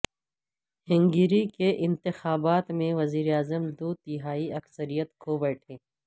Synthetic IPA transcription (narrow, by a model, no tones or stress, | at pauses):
hɪ̃ŋɡiɾikeʔɪ̃nt̪ɪxaːbaːt̪mẽʋɐziːɾeaːzəmd̪oːt̪iɦaːiɐksəɾijət̪kʰobɛːʈʰẽː